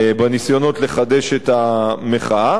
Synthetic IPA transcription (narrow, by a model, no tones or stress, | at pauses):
banisjo̞no̞tleχade̞ʃetameχa